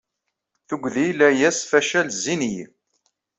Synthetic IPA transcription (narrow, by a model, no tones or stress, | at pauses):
θuɡʷðilæjæsfæʃælzːinij